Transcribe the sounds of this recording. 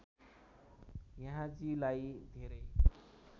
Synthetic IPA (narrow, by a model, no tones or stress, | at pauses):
jʌɦãd͡zilajd̪ʱeɾʌj